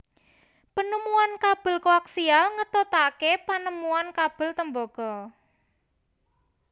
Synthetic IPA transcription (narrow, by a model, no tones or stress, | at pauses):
pənumuankab̥ə̤lkoaksialŋət̪ot̪akepanəmuankab̥ə̤lt̪əmbɔɡ̥ɔ